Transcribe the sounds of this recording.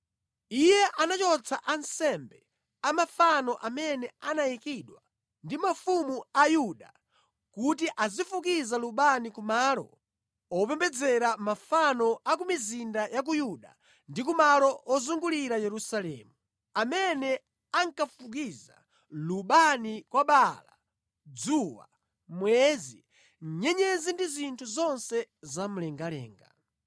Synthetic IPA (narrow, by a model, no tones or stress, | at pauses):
ijɛʔanat͡ʃɔt͡sʰaʔansɛmbɛ | amafanɔʔamɛnɛanajikiɗwa | ndimafumuajuɗa | kutiʔazifukizaluɓanikumaːlɔ̰ | ɔpɛmbɛd͡zɛɾamafanɔʔak̬umizindajak̬ujuɗa | ndik̬umalɔʔɔzuŋɡuliɾajɛɾusalɛːmu | amɛnɛ | aŋkafuk̬iza̰ | luɓanikwaɓala̰ | d͡zuwa̰ | mwɛzi | ɲɛɲɛzindizintʰuzɔnsɛzam̩lɛŋɡalɛ̰ːŋɡa̰